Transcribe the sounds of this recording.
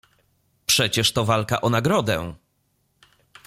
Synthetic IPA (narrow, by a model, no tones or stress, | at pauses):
pʂɛt͡ɕɛʂt̪ɔvalka̰ʔɔnaɡɾɔd̪ɛ̰